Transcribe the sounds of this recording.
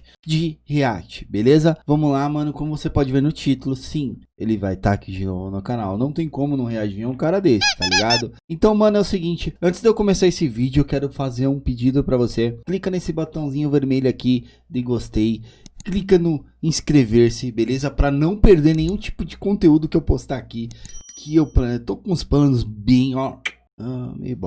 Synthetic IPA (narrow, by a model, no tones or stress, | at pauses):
d͡ʒɪhea̰t͡ʃɪ̥belezɐvɐ̃mʊlamɐ̃nʊkõmʊvosepɔd͡ʒɪveɾnʊt͡ʃit̪ʊlʊsĩ | elɪvajt̪aːkʰid͡ʒɪno̰vʊnʊkanawnɐ̃w̃t̪ẽj̃kõmʊnũɦeat͡ʃɪvĩɛ̃ũkaɾɐd̪esɪ̥t̪aliɡad̪ʊẽnt̪ɐ̃w̃mɐ̃nʊɛʊseɡĩt͡ʃɪɐ̃nt͡ʃ̪ɪzd̪ewkõmesaesɪvid͡ʒʊewkɛɾʊfazeɾũpid͡ʒid̪ʊpɾɐvoseklikɐnesɪbot̪ɐ̃w̃zĩɲʊveɾmeʎʊaki | d̪eɡost̪ejklikɐnʊĩskɾeveɾsɪbelezɐpɾɐnɐ̃w̃peɾd̪eɾnẽj̃ũt͡ʃi̥pʊd͡ʒɪkõt̪eud̪ʊkɪewpost̪aakikʰɪewplɐ̃nt̪okõʊspɐ̃nʊzbẽj̃ɔ | ɐmḛjbɔ